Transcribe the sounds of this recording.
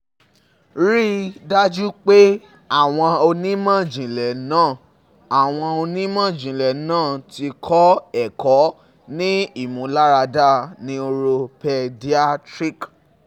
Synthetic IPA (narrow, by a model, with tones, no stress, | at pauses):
ɾi˦da˦d͡ʒu˦k͡pe˦ | a˦˨w̃ɔ̃˧o˧nĩ˦mã˦˨d͡ʒĩ˨lɛ˨nãː˦˨ | a˨w̃ɔ̃˧o˧nĩ˦mã˦˨d͡ʒĩ˨lɛ˨nãː˦˨ti˧kʰɔ˦ɛ˨kɔ˨˦ | nĩ˦i˦˨mũ˨˦la˦ɾa˧da˦˨nĩ˧˦o˧ɾo˧pɛ˧di˦a˦tɾi˦˨k